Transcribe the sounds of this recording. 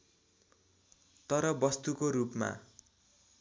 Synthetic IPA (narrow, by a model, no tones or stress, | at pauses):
t̪ʌɾʌbʌst̪ukoɾupma̰